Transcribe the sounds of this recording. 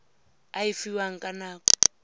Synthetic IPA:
aifiwaŋ̩kʼanaːkʼɔ̥

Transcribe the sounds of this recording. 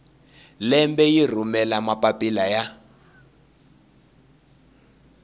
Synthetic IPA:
lɛmbɛjir̤umɛlamapʼapʼilaja

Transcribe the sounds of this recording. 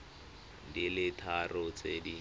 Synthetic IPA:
dilɪtʰarʊt͡sedi

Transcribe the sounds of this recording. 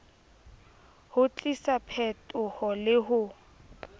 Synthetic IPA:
hʊt͡ɬʼisapʰɛtʼʊhɔlɪɦʊ

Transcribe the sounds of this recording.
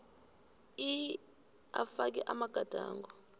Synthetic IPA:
i | afak̬ɛʔamaɡ̥ʱad̥ʱaːŋɡɔ

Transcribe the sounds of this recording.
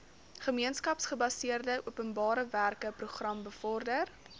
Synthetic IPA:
χəmiənskɐpsχəbɐsiərdəʔuəpənbɑːɾəværkəpruχrɐmbəfɔrdər

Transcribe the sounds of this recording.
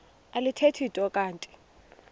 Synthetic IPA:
alɪtʰetʰitʼɔkʼaːntʼi̥

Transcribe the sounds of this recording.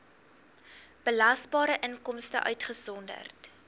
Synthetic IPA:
b̥əlɐstbɑːɾəʔəŋkɔmstə̰ʔœ̰ɥtχəsɔndə̰rt

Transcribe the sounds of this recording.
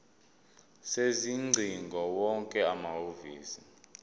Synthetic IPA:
seziŋ͡ǀʱiŋɡʱɔwɔŋkʼɛamaɦovḭːsi

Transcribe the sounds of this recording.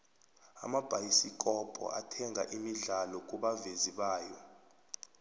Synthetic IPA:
a̰mab̥ʱajisik̬ʼɔpʼɔ̰ʔa̰tʰɛŋʱa̰ʔimiɮalɔk̬ʼuɓaveziɓaːjɔ

